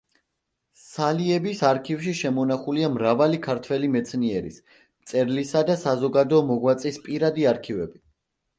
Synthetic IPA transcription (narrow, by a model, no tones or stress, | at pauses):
saliɛbisaɾkʰifʃiʃɛmɔnaχuliamɾavalikʰaɾt̪ʰwɛlimɛt̪sʰniɛɾḭs | mt̪sʼɛɾlisad̪asazɔɡad̪ɔːmɔɡwat̪sʼispʼiɾad̪iaɾkʰivɛbi